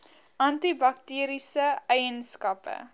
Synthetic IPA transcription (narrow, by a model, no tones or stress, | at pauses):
ʔɐntibɐk̚tiːɾisəɛjənskɐpə̰